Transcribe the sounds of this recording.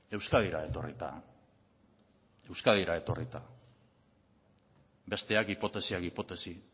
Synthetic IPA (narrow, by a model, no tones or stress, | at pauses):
e̞wskaðiɾae̞t̪o̞rḭt̪a̰ | e̞wskaðiɾae̞t̪o̞rit̪a | be̞st̪e̞akipo̞t̪e̞siakipo̞t̪e̞si